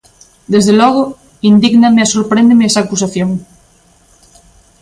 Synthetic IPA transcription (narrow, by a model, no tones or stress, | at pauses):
d̪ezðelɔɣ̞ʊ | ind̪iɣnameasoɾpɾẽnd̪emeɛsaːkus̬aθjoŋ